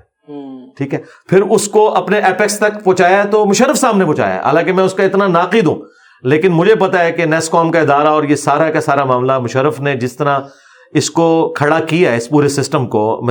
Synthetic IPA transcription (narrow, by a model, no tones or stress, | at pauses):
ʈʰiːkɦɛ | pʰɪɾʊskoʔɐpneʔɛːpɛkst̪ɐkpɔ̃ːt͡ʃaːjaɛt̪omʊʃəɾːəfsaːmnepɔ̃ːt͡ʃa̰ːja̰ɦa̰ːlãːkemɛ̃ːʊskaɪt̪nanaːqɪd̪ɦṵ̃ː | leːkɪnmʊd͡ʒʱepɐt̪aɦɛkenɛːskɔːmkaɪd̪aːɾaɔːɾjesaːɾakasaːɾamaːmlamʊʃəɾːəfned͡ʒɪst̪ɐɾã | ɪskokʰɐɽakijaɛɪspuːɾesɪsʈəmko̰m